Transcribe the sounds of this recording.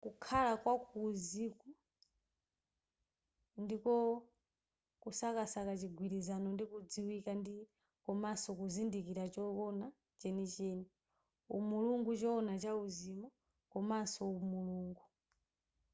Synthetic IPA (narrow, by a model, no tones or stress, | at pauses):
kukʰalakwakuziku | ndikɔ | kusakasakat͡ʃiɡʱwiɾizanɔndikud͡ziwikandi | kɔmasɔkuzindikiɾat͡ʃɔɔna | t͡ʃɛnit͡ʃɛːni | umuluŋɡut͡ʃɔːnat͡ʃauzimɔ | kɔmasɔumuluːŋɡu